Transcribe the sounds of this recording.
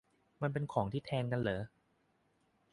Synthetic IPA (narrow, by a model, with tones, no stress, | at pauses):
ma˧np̬e˧nkʰɔː˩˦ŋt̪ʰiː˥˩t̪ʰɛː˧nka˧nlɤː˩˦